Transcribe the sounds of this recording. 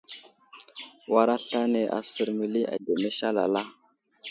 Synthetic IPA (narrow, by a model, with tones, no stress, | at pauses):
wa˦ɾa˦ɬa˦ne˨ʔa̰˨sə˨ɾmi˨li˦a̰˨de˨me˦ʃa˦la̰˨la˦